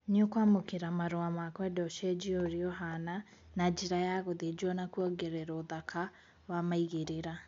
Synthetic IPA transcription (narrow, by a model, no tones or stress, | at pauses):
ɲiokwamokeɾamaɾoamakwɛdɔʃɛd͡ʒioɾiɔɦana | nad͡ʒiɾajaɣoðed͡ʒɔnakuɔɡeɾɛɾoðakʰa | wamaiɣeɾeɾa